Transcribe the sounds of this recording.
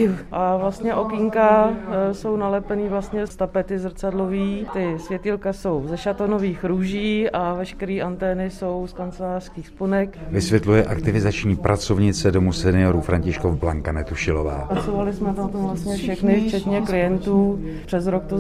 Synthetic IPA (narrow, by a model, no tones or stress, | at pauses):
ʔavlast̪ɲɛʔo̞kɪŋkaso̞wnalɛpɛniːvlast̪ɲɛst̪apɛt̪ɪzr̩t͡sadloviːt̪ɪsvjɛt̪ilkaso̞wzɛʃat̪onoviːxɾuːʒiːavɛʃkɛɾiːʔant̪ɛːnɪso̞wskant͡sɛlaːr̥skiːxsponɛkvɪsvjɛt̪lujɛʔakt̪ɪvɪzat͡ʃɲiːpɾʔat͡sovɲɪt͡sɛdomusɛnɪoɾufɾaɲcɪʃkovblaŋkanɛt̪uʃɪlo̰va̰ːasovalɪsmɛt̪ant̪omvlast̪ɲɛfʃɛxnɪft͡ʃɛt̪ɲɛklɪjɛnt̪uː | pr̥ɛzɾok̚t̪o